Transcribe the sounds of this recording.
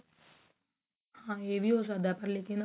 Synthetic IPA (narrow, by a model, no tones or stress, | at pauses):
hãːeːʋʱiːos̬ad̪apɐɾleːkɪn